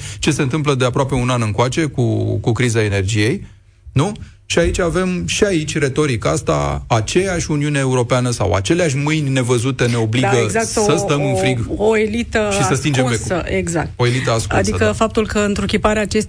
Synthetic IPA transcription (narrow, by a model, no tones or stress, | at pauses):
t͡ʃe̞se̞nt̪ɨmp̬ləd̪e̞apɾoape̞unanɨŋkoat͡ʃe̞kukukɾizae̞ne̞rd͡ʒije̞j | nu | ʃiait͡ʃʲave̞mʃiait͡ʃʲɾe̞t̪o̞ɾikast̪a̰at͡ʃe̞jaʃʲuniunae̞uɾo̞peanəsa̰wa̰t͡ʃe̞leaʃ̬ʲmɨjnʲne̞vəzut̪e̞ne̞o̞bliɡəɡzak̚t̪səsəmɨnfɾiɡoelit̪əʃiəst̪ind͡ʒeməeɡzak̚t̪o̞elit̪əaskuadsiəkəfap̚t̪ulkəɨnt̪ɾukʲipaɾeaːt͡ʃest̪